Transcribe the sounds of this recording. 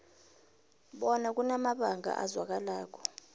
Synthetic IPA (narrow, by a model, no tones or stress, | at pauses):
ɓɔnak̬ʼunamaɓaŋʱa̰ʔa̰zwak̬alaːk̬ʰɔ̥